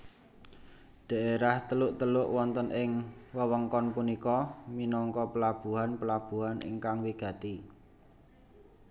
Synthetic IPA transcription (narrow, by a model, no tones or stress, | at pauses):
ɖ̥a̤ʔeɾaht̪əlʊʔt̪əlʊʔwɔnt̪ənʔɪŋwəwəŋkɔnpunikɔminɔŋkɔpəlab̥ṳɦanpəlab̥ṳɦanʔḭŋkaŋwiɡ̥ä̤t̪i